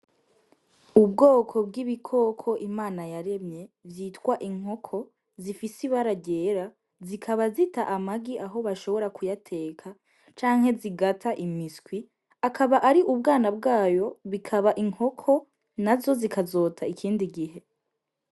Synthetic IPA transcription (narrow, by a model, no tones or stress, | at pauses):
ubɡoːkʰo̞bɡiβikʰo̞kʰo̞ʔimaːnajaɾe̞mɲe̞vjiːtwaʔiŋ̥ɦo̞kʰo̞ | zifisiβaɾaɟe̞ːɾa | zikʰaβazitaʔamaɡiʔaɦo̞βaʃo̞βo̞ɾakujatʰe̞ːkʰa | t͡ʃaːŋhe̞ziɡatʰaʔimiskwi | akʰaβaʔaɾiʔubɡaːnabɡaːjo̞βikʰaβaʔiŋ̥ho̞kʰo̞ | nazo̞zikʰazo̞ːtʰaikʰiːndiɡiɦe̞